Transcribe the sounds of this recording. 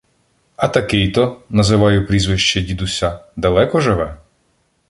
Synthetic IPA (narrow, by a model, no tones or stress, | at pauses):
ɐt̪ɐkɪjt̪ɔnɐzɪʋɑjʊpɾʲizʋɪʃt͡ʃɛdʲid̪ʊsʲɐd̪ɐlˠɛkɔʒɪʋɛ